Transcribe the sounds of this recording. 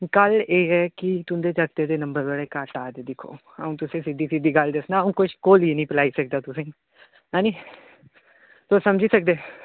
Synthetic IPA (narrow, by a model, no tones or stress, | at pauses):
kəleːɦɛːkɪt̪ʊnd̪eːd͡ʒəkt̪ed̪eːnəmbəɾʋaːɽeːkaːʈaːd͡ʒ̪d̪ɪkʰo̰ː | ə̰ũːt̪ʊsẽːsɪd̪iːsɪd̪iːɡəld̪ɪsnaːũːkʊʃkoːliːnĩːpəlaːiːsək̚d̪aːt̪ʊsẽː | aːniː | t̪osəmd͡ʒiːsək̚d̪eː